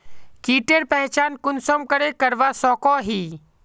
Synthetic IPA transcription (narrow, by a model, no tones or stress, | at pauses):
kiːʈeɾpɐɦɪt͡ʃaːnkʊnsomkəɾekɐɾʋasɔːkɔɦiː